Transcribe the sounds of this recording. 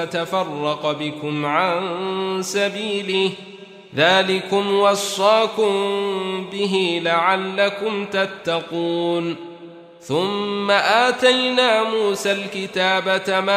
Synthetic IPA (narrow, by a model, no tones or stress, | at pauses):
t̪afɑrˤːɑqbɪkʊmʕansabiːlɪh | ðaːlɪkʊmwɑsˤːɑːkʊmbɪɦɪlaʕalːakʊmt̪at̪ːɑquːn | θʊmːaʔaːt̪ajnaːmuːsalkɪt̪aːbat̪ama